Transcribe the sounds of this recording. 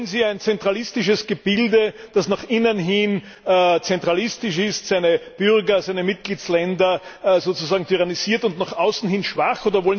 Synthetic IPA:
ənziːæɪnt͡sɛntʁ̥alɪstɪʃ̬əsɡ̥əb̥ɪldəd̥asnaːχʔɪnənɦɪn | t͡sɛntʁ̥alɪstɪʃɪstsæɪnəb̥ʏʁɡɐzæɪnəmɪt̚ɡ̥liːslɛndɐzoːt͡suzaːɡŋ̩tʰyʁaniziːɐtʊntnaχʔaʊsn̩hɪnʃv̥aχʔoːdɐvɔlən

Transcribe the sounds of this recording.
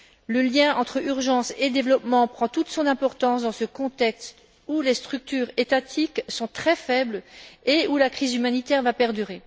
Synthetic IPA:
ləljɛ̃ɑ̃t̪χəyʁʒɑ̃sed̪evlɔpmɑ̃pχɑ̃t̪ut̪sɔ̃nɛ̃pɔʁt̪ɑ̃sd̪ɑ̃səkɔ̃t̪ɛkst̪ | ulest̪χyk̚t̪yːʁet̪at̪ʰiksɔ̃t̪χɛfɛbleulakχizymanit̪ɛʁvapɛʁd̪yʁe

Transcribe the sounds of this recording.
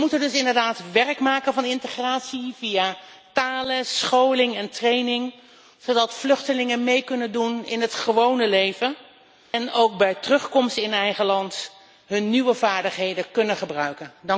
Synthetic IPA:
mutəndɵsɪndəɹdaːtʋɛrkmaːkənvɑnɪntəχraːtsivija | taːləsχowlɪŋɛntrejnɪŋ | z̥odɑtflɵχtəlɪŋənmejkɵnəndunɪnɦətχəʋownəlejvə | ɛnowk̚bɛjtərɵχkɔmstɪnɛjχəlɑnt | ɦɵnːiʋəvaːɹdəχɦejdəkɵnəχəbrœɥkəndɑ

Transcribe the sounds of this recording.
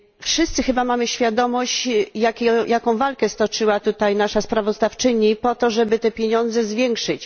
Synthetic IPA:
fʂɘst̪sɘxɘbamamɘɕfʲjad̪ɔmɔɕt͡ɕjakʲjʔakɔ̃w̃valkɛst̪ɔt͡ʂɘwat̪ut̪ajnaʂaspɾavɔzd̪aft͡ʂɘɲipɔt̪ɔʐɛbɘt̪ɛpʲjeɲɔnd̪zɛzvʲjɛŋkʂɘt͡ɕ

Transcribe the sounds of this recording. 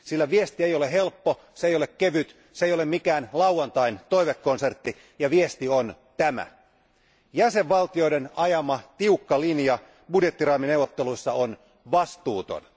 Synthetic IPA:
silːæʋiest̪iejoleɦe̞lpːo | sejolekkeʋyt̪ | sejolemmikæːnlɑwɑnt̪ɑint̪oijʋekːonse̞rt̪ːi | jɑʋiest̪ion | t̪æmæ̰ | jæseʋʋɑlt̪io̞idenɑjɑmɑt̪iukːɑlinjɑ | budjet̪ːirɑːmineuwʋˑot̪ːeluisːɑon | ʋɑst̪uːt̪o̰n

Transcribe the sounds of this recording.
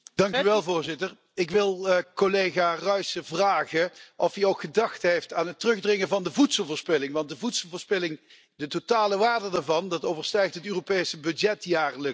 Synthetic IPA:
d̥ɑŋkyʋɛlˠvʊːɹzɪtər | ɪkʋɪlˠkolejɣaːrœɥsəvraːχəʔɔfiowkχədɑxtɦejftaːnɦətrɵɣdrɪŋəvɑndəvutsəlˠvʊːɹspɪlɪŋʋɑnt̚dəvutsəlˠvʊːɹspɪlɪŋ | dətotaːləʋaːdədaːɹvɑndɑtowvəɹstɛjxtɦətøːropejsəbɵdjɛtjaːrlək

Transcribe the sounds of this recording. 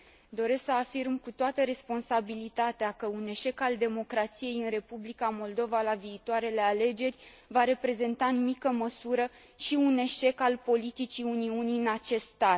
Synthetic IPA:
d̪o̞ɾe̞sksəafirmkut̪oat̪əɾe̞spo̞nsabilit̪at̪eakəune̞ʃe̞kald̪e̞mo̞kɾat̪sije̞jɨnre̞publikamo̞ld̪o̞valaviːt̪oaɾe̞le̞ale̞d͡ʒe̞rʲ | vaɾe̞pɾe̞ze̞nt̪aɨnumikəməsuɾə | ʃiune̞ʃe̞kalpo̞lit̪it͡ʃiuniuniɨnat͡ʃe̞st̪st̪at̪̚

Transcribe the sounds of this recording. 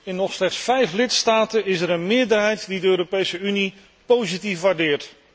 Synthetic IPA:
ɪnːɔχslɛχtsfɛjflɪtstaːtənɪsɛɾənmɪːəɹdəɹɦɛjtdidəøːɾopejsəyni | powzitifʋaːɹdɪːɹt

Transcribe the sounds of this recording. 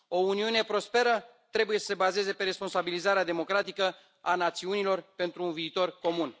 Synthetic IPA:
o̞uniune̞pɾo̞spe̞ɾə | t̪ɾe̞buje̞sə̥sebaze̞ze̞pe̞ɾe̞spo̞nsabilizaɾead̪e̞mo̞kɾat̪ikə | anat̪siunilo̞rpe̞nt̪ɾuːnviːt̪o̞rko̞mun

